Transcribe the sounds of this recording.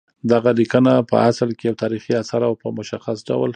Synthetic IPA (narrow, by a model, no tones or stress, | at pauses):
d̪aɣalikənapə̰aslkejawt̪ʰɑɾixiasaɾawpəmʊʃaxasɖa̰wl